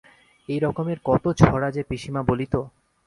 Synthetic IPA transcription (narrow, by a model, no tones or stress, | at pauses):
ejɾɔkomeɾkɔt̪ot͡ɕʰɔɽad͡ʑepɾiʃimabolit̪o